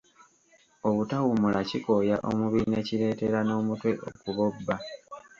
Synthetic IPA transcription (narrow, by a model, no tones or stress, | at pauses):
oβutawumulaciko̞jaʔo̞̰muβine̞ciɾe̞ːte̞ɾano̞ːmutwe̞ʔokuβo̞bːa